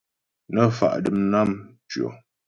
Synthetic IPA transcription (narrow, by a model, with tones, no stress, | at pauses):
nə˦fa̰˨ʔdə˨mna˦mt͡ʃɥo̰˨